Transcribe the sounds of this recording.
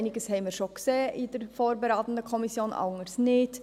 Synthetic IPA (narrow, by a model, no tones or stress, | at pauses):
nɪɡəshɛɪməʃɔkseːʔɪdəɾfoːɾbəɾaːtn̩dəkʰɔmɪsjoːnʔɑ̰ʊŋəɾsnɪt